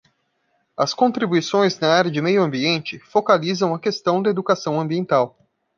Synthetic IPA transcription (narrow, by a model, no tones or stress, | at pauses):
ɐskõt̪ɾibuisõj̃znɐaɾjɐd͡ʒɪmejʊɐ̃mbiẽnt͡ʃɪfokalizɐ̃w̃ɐkest̪ɐ̃w̃d̪ɐed̪ukasɐ̃w̃ɐ̃mbiẽnt̪aw